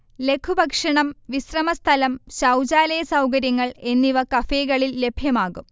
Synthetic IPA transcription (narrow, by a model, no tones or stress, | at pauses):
le̞kʰːubʱɐkʂɐɳɐmʋisrɐmɐst̪ʰɐlɐmɕɐwd͡ʑaːlɐjɐsɐwkɐɾjɐŋːɐɭe̞nːiʋɐkɐfeːɣɐɭilːe̞bʱjɐmaːɣum